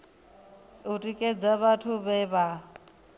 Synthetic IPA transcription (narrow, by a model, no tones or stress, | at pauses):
utʼikʼed͡zaβatʰʊβɛβa